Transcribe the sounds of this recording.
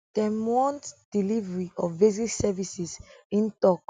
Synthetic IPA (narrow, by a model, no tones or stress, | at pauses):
d̥ɛ̃mwɔ̃ntd̥ilivɹiɔfveziksɛvisisĩntɔk